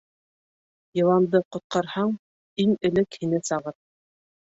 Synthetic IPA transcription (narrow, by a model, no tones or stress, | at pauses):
jɤ̆w̪ˠɑnd̪ɤqŏt̪̚qɑɾhɑɴ | iŋɘ̆lɘkhinɘsɑʁɤp̚